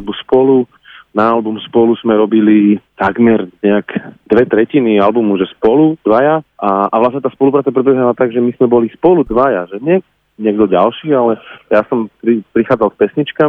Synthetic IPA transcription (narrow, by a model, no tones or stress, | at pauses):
lbuspɔlu | naːlbumspɔluz̥mɛɾɔbilit̪aɡmɛɾɲɛakd̪ʋɛt̪ɾɛcinialbumuʒɛspɔlud̪ʋajaaaʋlasɲɛt̪aːspɔlupɾaːt͡sapɾɛbɛɦnalat̪aɡʒɛmizmɛbɔlispɔlud̪ʋajaʒɛɲɪɛɡ | ɲɪɛɡd̪ɔɟalʃiːalɛjasɔmpɾipɾixaːd͡zalkpɛsɲit͡ʃka